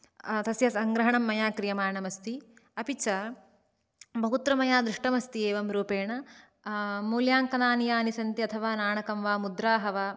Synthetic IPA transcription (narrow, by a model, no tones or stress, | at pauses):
t̪ɐsjɐsɐŋɡɾɐɦɐɳɐmːɐjaːkɾijɐmaːɳɐmɐst̪iɐpit͡ʃɐ | bʱɐɦut̪ɾɐmɐjaːd̪ɾiʂʈɐmɐst̪ieːʋɐmɾuːpeːɳɐ | muːljaːŋkɐnaːnijaːnisɐnt̪iɐt̪ʰɐʋaːnaːɳɐkɐmʋaːmud̪ɾaːɦɐʋaː